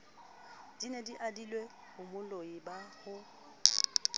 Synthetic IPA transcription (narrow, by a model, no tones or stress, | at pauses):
d̥inediʔadilwe | hʊmʊloibahʊ